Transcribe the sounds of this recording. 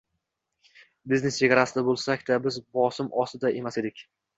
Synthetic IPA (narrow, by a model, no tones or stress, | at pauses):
bɪzne̞st͡ʃeɡʲaɾasɪd̪abolˠsakʲd̪abɪzbɒsɪmɒsɪd̪aʔe̞mased̪ɪkʲ